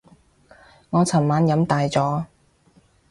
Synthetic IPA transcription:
ŋɔː˨˧t͡sʰɐ˨˩nmaː˨˥njɐ˨˥mt̪aː˨jt͡sɔː˨˥

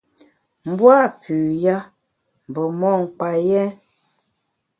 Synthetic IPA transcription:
m̩˦bwa˦˨pʰʉ˨ja˦ | m̩˨bə˨mɔ˦˨ŋ̩˨k͡pa˨jɛ˦n

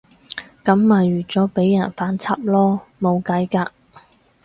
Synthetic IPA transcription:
kɐ˨˧˥mːaː˨jɥyː˨˩t͡sɔː˨˥pe˨˥jːɐ˨˩nfaː˨˥nt͡sʰɐ˥p̚lɔː˥mo˨˧wkɐ˨˥jkaː˧

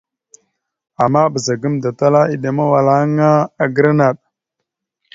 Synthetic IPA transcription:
a˨mːa˦bə˨za˨ɡə˦mda˨ta˦la˦i˨ɗe˨ma˦wa˨la˦ŋa˦a˨ɡə˦ɾa˦na˨ɗ̚

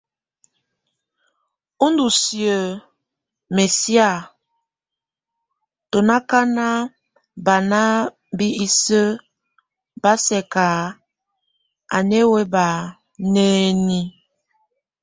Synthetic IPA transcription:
o˦ndu˨sjə˨ | me˨sja˦˨ | to˨na˦ka˦na˦ | ba˨na˦ | bi˦i˦sə˦ | ba˦sɛ˨ka˨ | a̰˨ne˦we˦ba˨ | ne˦ni˦

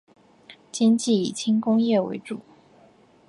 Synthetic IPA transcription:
t͡ɕi˥ŋt͡ɕi˥˩i˨˩t͡ɕʰi˥ŋkʊ˥ŋjɛ˥˩wḛ˧˥ɪʈ͡ʂu˨˩˦

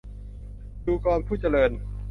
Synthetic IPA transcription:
duː˧kɔː˧npʰuː˥˩t͡ɕa˧lɤː˧n

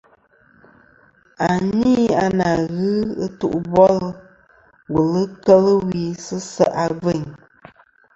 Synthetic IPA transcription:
a˨ni˦a˨na˨ɣɨ˦ɨ˦tu˦ʔbɔ˦lɨ˦ | wu˨lɨ˦kə˦lə˦wi˨sɨ˦sə˦˨ʔa˨ve˦˨ɲ

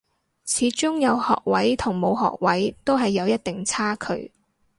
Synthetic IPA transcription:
t͡sʰiː˨˥t͡sʊ˥ŋjɐ˨˧whɔ̰ː˨k̚wɐ˨˥jt̪ʰʊ˨˩ŋmo˨˧wɦɔ̰ː˨k̚wɐ˨˥jt̪o˥wɦɐ˨jːɐ˨˧wjɐ˥t̚t̪ɪ˨ŋt͡sʰaː˥kʰɵ̰˨˧˥ɥ

